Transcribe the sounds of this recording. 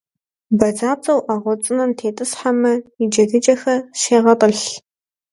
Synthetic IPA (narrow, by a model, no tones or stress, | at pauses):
bɐd͡zaːt͡sʼɐwʔaʁʷɔt͡sʼɨnɐmtʰeːtʼɨsħamɐɪd͡ʒɐdɨd͡ʒʼɐxɐʃeːʁɐtʼəɬ